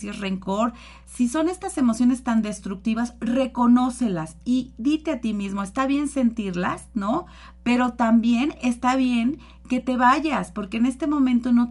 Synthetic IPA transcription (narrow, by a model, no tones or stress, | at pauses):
ire̞ŋko̞ɾ | siso̞ne̞st̪ase̞mo̞sjo̞ne̞st̪and̪e̞st̪ɾuk̚t̪iβasre̞ko̞no̞se̞lasiðit̪e̞at̪imizmo̞e̞st̪aβje̞nse̞nt̪iɾla̰sno̞ | pe̞ɾo̞t̪ambje̞ne̞st̪aβje̞ŋ | ke̞t̪e̞βaʝaspo̞ɾkeːne̞st̪e̞mõ̞mẽ̞nt̪o̞no̞